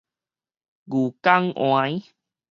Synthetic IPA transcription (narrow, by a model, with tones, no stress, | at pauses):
ɡu˨ka˦ŋʔõ̰˨ã˧i˦